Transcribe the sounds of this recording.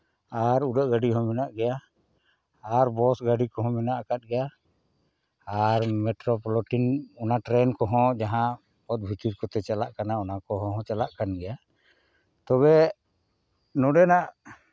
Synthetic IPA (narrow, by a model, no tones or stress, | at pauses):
aɾuɖəʔɡaɖiɦɔ̃mɛnaʔɡɛja | ɾbɔsɡaɖikɔɦɔ̃mɛnaʔakat̪̚ɡɛja | ɾmɛʈɾɔpɔlɔʈinɔnaʈɾɛnkɔɦɔ̃d͡ʒaɦã | pɔt̪̚bʱit̪iɾkɔt̪ɛt͡ʃalaʔkanaɔnakɔɦɔ̃ɦɔ̃t͡ʃalaʔkanɡɛja | t̪ɔβɛ | nɔɖɛnaʔ